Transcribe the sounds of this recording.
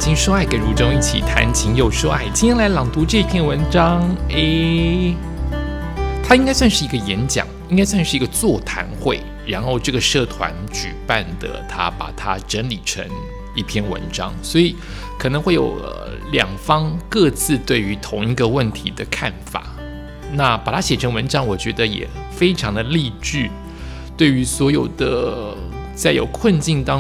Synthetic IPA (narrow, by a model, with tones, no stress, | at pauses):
t͡ɕʰi˧˥ŋʂo˥a˥˩ɪke˨˩ɪɻu˧˥ʈ͡ʂo˥ŋi˥˩t͡ɕʰḭ˨˩t̪ʰa̰˧˥nt͡ɕʰi˧˥ŋjo˨˩ʊʂo˥a˥˩ɪt͡ɕi˥˩nʰjɛ˥nla˧˥ɪlɑ˨˩ŋt̪u˧˥ʈ͡ʂɤ˥˧i˥pʰjɛ˥˩nwə˧˥nʈ͡ʂɑ˥ŋe˥˩ɪ | t̪ʰa˥i˥ŋka˥ɪs̬wa˥˧nʂɻ̩˥˩i˧˥ɡə˧jɛ˧˥nt͡ɕjɑ̰˨˩˦ŋi˥ŋka˥ɪswa˥˧nʂɻ̩˥˩i˧˥ɡə˧t͡swɔ˥˩t̪ʰa̰˧˥nxwe˥˩ɪ | ɻa˧˥nxo˥˧ʊʈ͡ʂɤ˥˩ɡə˩ʂɤ˥˩t̪ʰwa̰˧˦nt͡ɕy˨˩pa˥˩nd̪ə̰˩t̪ʰa̰˥pa̰˨˩t̪ʰa̰˥ʈ͡ʂə˧˥nli˨˩ʈ͡ʂʰə̰˧˦˥ŋ | i˥˩pʰjɛ˥˩nwə̰˧˦˥nʈ͡ʂɑ̰˥ŋswɔ˧˥i˨˩ | kʰɤ˨˩nɤ˧˥ŋxwe˥˩ɪjo̰˨˩ʊə̰˧˩ | ljɑ˨˩ŋfɑ˥ŋkɤ˥˧t͡sʰɹ̩˥˧t̪we˥˩ɪy˧˥t̪ʰʊ˧˥ŋi˧˥ɡə˧wə˥˩nt̪ʰi˧˥d̪ə˧kʰa˥˩nfa̰˨˩˦ | na˥˩pa˨˩t̪ʰa˥ɕjɛ˨˩ʈ͡ʂʰə˧˥nwə˧˥nʈ͡ʂɑ˥ŋwɔ˨˩t͡ɕɥɛ˧˥d̪ə˧jɛ̰˨˩ | fe˥ɪʈ͡ʂʰɑ˧˥ŋd̪ə˧li˥˧t͡ɕy˥˩ | t̪we˥˩ɪy˧˥swɔ˧˥jo˨˩ʊd̪ə˦ | t͡sa˥˩ɪjo̰˨˩ʊkʰwə˥˧nt͡ɕi˥˧nt̪ɑ˥